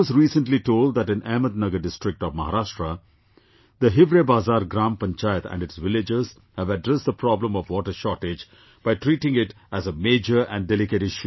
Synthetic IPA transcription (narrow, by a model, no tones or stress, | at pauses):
ɔzɾiːsə̃nliʈoːlɖ̪̚d̪æʈɪ̃næməd̪̚nʌɡəɖɪsʈɾɪk̚ʈɔʋmɐɦaɾaʃʈɾə | d̪əɦɪʋɾebaːzaːɾɡɾãːmpə̃nt͡ʃaːɪət̪æ̰̃ɳɖɪʈsʋɪlɪd͡ʒəz̥ | hæʋəɖɾɛsd̪əpɾɔblə̃mɔʋwɔːʈəɾʃɔʈed͡ʒ | b̥aɪʈɾiːʈɪ̃ŋɪʈ | æzəmeːd͡ʒəɾæ̰̃nɖɛlɪkeʈɪʃu